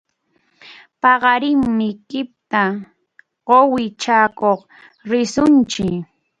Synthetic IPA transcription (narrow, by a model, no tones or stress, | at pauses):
pɑɢɑɾɪŋmɪkɪp̚t̪a | ɢowɪt͡ʃaːkoχ | ɾɪsʊnt͡ʃɪ